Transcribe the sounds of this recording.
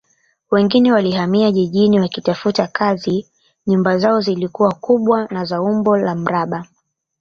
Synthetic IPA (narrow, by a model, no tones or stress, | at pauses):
wɛŋɡinɛwalihamiaʄiʄiniwakitafutakʰazi | ɲumbazaɔzilikuwakuɓwanazaumbɔlam̩ɾaɓa